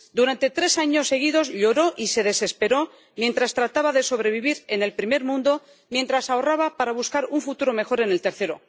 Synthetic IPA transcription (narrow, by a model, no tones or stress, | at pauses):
d̪uɾant̪e̞t̪ɾe̞saɲo̞sːe̞ɣ̞ið̞o̞zʎo̞ɾo̞ʔise̞ðe̞se̞spe̞ɾo̞ | mje̞nt̪ɾast̪ɾat̪aβaðe̞so̞βɾe̞βiβiɾe̞ne̞lpɾime̞ɾmũnd̪o̞ | mje̞nt̪ɾasaoraβapaɾaβ̞uskaɾuɱfut̪uɾo̞me̞xo̞ɾe̞ne̞lt̪e̞ɾθe̞ɾo̞̰